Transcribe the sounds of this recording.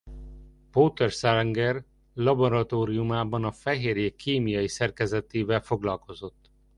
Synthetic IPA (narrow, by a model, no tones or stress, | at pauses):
poːt̪ɛrsaŋɡɛr | lɒboɾɒt̪oːɾijumaːbɒnɒfɛɦeːɾjeːkʰːeːmijɒjisɛrkɛzɛt̪eːvɛlfo̞ɡlɒlko̞zo̞t̪ː